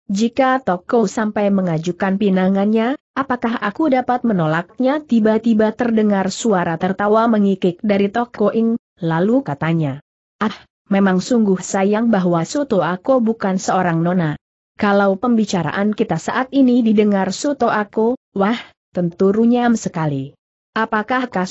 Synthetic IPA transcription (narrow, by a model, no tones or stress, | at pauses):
d͡ʒikat̪okosampajməŋad͡ʒukanpinaŋanɲaʔapakaɦakudapat̪̚mənolak̚ɲat̪ibat̪ibat̪ərdəŋarsuaɾat̪ərt̪awaməŋikɪk̚daɾit̪okoʔɪŋ | lalukat̪aɲa | ʔah | memaŋsuŋɡʊhsajaŋbaɦwasut̪oakobukansəoɾaŋnona | kalawpəmbit͡ʃaɾa̰ʔankit̪asaʔat̪inididəŋarsut̪oʔakuwah | t̪ənt̪uɾuɲamsəkali | ʔapakahka